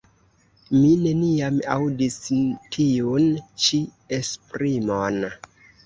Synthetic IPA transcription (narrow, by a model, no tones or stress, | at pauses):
mine̞niama̰wdistʰiunt͡ʃi | espɾimon